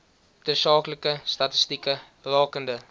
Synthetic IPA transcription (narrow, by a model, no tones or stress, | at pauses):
təsɑːkləkəstɐtəstikə | rɑːkəndə